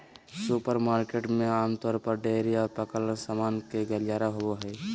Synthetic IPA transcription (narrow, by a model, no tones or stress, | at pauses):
supəɾmaːɾkeːʈmẽaːmt̪ɔːɾpəɾɖeːɾiɔːɾpəkələsaːmaːnkeɡəljaːɾaɦowoɦɛː